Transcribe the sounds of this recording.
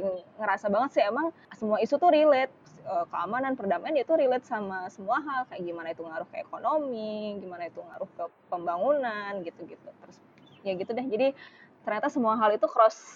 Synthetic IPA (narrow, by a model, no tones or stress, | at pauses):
ŋŋəɾasabaŋət̪sɛemaŋ | səmuaisut̪uɾilɛt̪̚ | əkəamananpərdamaanjait̪uɾilɛt̪̚samasəmuaɦalkajaʔɡimanait̪uŋaɾʊhkəḛkonomiɡimanait̪uŋa̰ɾʊhkə | pəmbaŋunanɡit̪uɡit̪ut̪ɾʊs | jaɡit̪udɛhd͡ʒadit̪ərɲat̪asəmuaɦalit̪ukəɾɔs